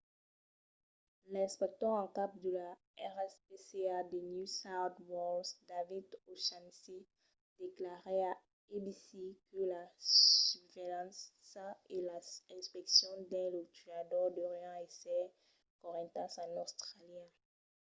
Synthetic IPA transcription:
lɛ̃spɛk̚t̪ɔʁɑ̃kap̚d̪əla | ɛʁɛspesead̪ənjusawt̪wɔsd̪avid̪oʃansi | d̪̥eklaʁɛa | ebisikəlayvelɑ̃ssaelaɛ̃spɛksjɔ̃d̪ɛ̃lot̪yad̪ɔʁd̪ɔʁjɑ̃esɛ | kɔʁɛ̃t̪ãsãnost̪ʁaljɛ̃

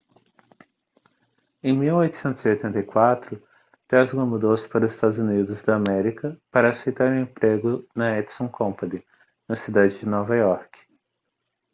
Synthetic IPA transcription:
ẽj̃miwojt̪ʊ̥sẽnt̪ʊz̥iojt̪ẽnt̪ɐjkwat̪ɾʊ | t̪ɛzɡɐ̃mud̪owsɪ̥paɾʊzɪst̪ad̪ʊzunid̪ʊzd̪ɐːmɛɾikɐpaɾɐːsejt̪aɾʊẽmpɾeɡʊnɐɛd̪sõkʰõpɐd̪ɪ | nɐsid̪ad͡ʒɪd͡ʒɪnɔvɐɔɾk

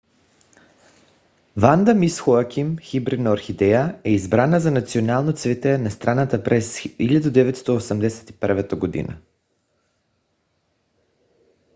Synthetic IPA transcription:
vand̪amisxoakʰʲimxibɾid̪noaɾxid̪ɛjaɛizbɾanazanat̪sionalˠnot̪svɛt̪ɛnɐst̪ɾʔanat̪apɾɛsiʎʲad̪ud̪ɛvɛt̪st̪ɔosəmd̪ɛsɛ̥t̪i̥pəɾvat̪əɡod̪ḭnə̰

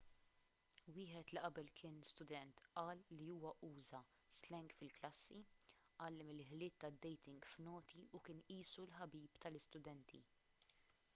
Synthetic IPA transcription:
wɪːħɛt̪liʔɐbɛlkʰɪːnst̪ʊd̪ɛnt̪ʔɐːlːiuːwɐʔuːzɐ | st̪lɛŋkfɪlklɐsːi | ʔɐːlːɪmɪlħlɪːt̪ːɐd̪ːɛjt̪ɪŋɡfnɔːt̪iukɪːnʔiːsulħɐbiːpt̪ɐlɪst̪ʊd̪ɛnt̪ʰḭ

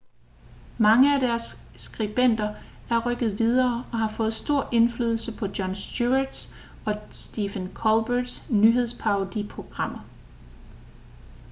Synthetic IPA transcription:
mɑ̈ŋəæd̥æɐsːɡ̥ʁib̥en̰d̥ɐæɐʁœɡ̥ð̞̩ˠʋið̞ˠɐːɒ̽ɦɑ̈fɔ̽ːð̞̩ˠsd̥o̝ɐ̰ʔe̝nfly̰ːðˠl̩səpʰɒ̽d̥jɒ̽nsd̥juɐd̥s | ɒ̽sd̥ifənkʰɒlb̥əd̥snyɦe̝ð̞̰ˠspʰɑ̈ʊd̥ipʰʁo̝ɡ̥ʁɑ̈m̰ɐ

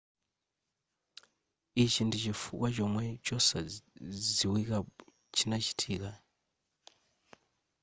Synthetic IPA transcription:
it͡ʃindit͡ʃifukwat͡ʃɔmwɛt͡ʃɔsaziwika | t͡ʃinat͡ʃi̥tʰiːka

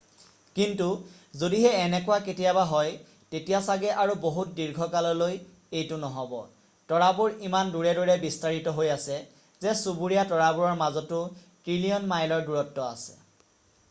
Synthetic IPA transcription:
kintu | zodiɦɛːnɛkʊwaketijabaɦɔj | tetijasaɡɛʔaɹuboɦut̚diɹɡʱɔkalɔloj | ejtʊnɔɦɔbɔ̰ | tɔɹabuɹimanduɹɛdɔɹɛbistaɹitɔɦojasɛ | zɛsubuɹijatɔɹabuɹɔɹmazɔtʊ | tɹilijɔnmajlɔɹduɹɔtːɔa̰sɛ̥̰

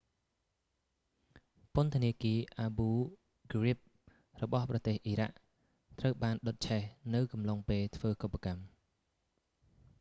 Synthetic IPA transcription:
pʊ̆nt̪ʰəniəkiəʔaːɓuː | ɡrip̚ | rɔɓɑhprɑt̪eːhʔiːɾa̰ʔ | t̪rəwɓaːnɗot̪̚t͡ɕʰɛhnɨwkɑmlɑŋpeːlt̪ʰʋəːkopːakam

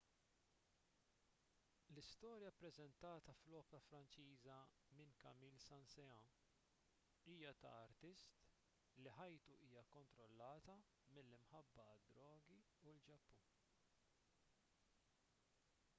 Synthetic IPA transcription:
lɪst̪ɔːɾjɐpɾɛzɛnt̪ɐːt̪ɐflɔːpɛɾɐfɾɐnt͡ʃiːzɐ | mɪnkɐmiːlsɐnsɛɐ̃ː | iːjɐt̪ɐ̰ːɾt̪ɪst̪ | liħɐjt̪uʔiːjɐkɔnt̪ɾɔlːɐːt̪ɐ | mɪlːɪmħɐbːɐd̪ːɾɔːɡi | uld͡ʒɐpːuː

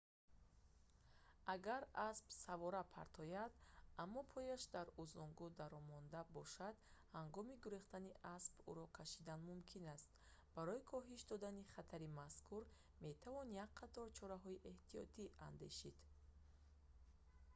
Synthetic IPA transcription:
ʔaɡaɾasbsavɔɾapʰa̰ɾt̪ʰɔjad̪amːɔpʰɔjaʃd̪aɾuzɔŋɡud̪aɾɔmɔnd̪abɔʃad̪haŋɡɔmiɡuɾiχt̪aniʔasbṵɾɔkʰaʃid̪anmumkʰinast̪̚ | baɾɔikʰɔɦiʃd̪ɔd̪aniχat̪ʰaɾimaskʰuɾ | me̞t̪ʰavɔnjak̚qʰːat̪ɔɾt͡ʃʰɔɾaɦɔiʔe̞ht̪ijɔ̰t̪ʰiʔa̰nd̪e̞̰ʃid̪̥

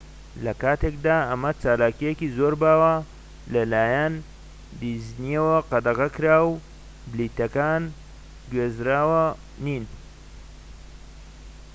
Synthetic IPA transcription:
lɐkaːt̪ʰekd̪aːɐmɐt͡ʃaːlaːkijekizoːɾbaːwɐ | lɐlaːjɐn | d̪izniewɐqɑd̪ɐʁɐkɨɾaːw | bliːt̪ɐkaːn | ɡweːzɾaːwɐ | nin

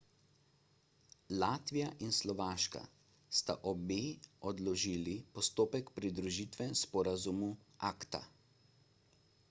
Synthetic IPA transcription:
laːt̪ʋijaʔinslɔʋaːʃka̰ | st̪aʔɔbeːɔd̪lɔʒiːlipɔst̪oːpɛkpɾid̪ɾuʒiːt̪ʋɛnspɔːɾazumu | aːkt̪a̰

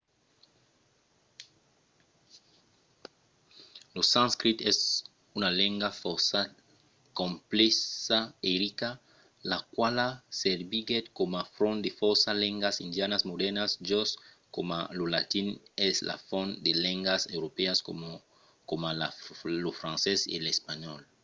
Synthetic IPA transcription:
losãnskɾit̪ɛs | unalẽŋɡafosa | kõmplesaeɾika | lakwalaseɾbiɡet̪komafɾõnd̪efoɾsalẽŋɡasind̪janasmod̪ɛɾnasd͡ʒos | komalolat̪inesla̰fond̪eleŋɡasewɾopeas | komalalofɾãnsesḛlespaɲɔl

